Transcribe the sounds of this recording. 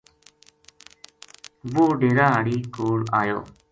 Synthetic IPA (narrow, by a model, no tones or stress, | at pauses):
ʋoːɖeːɾãːəɽiːkoːɾaːjo̰ː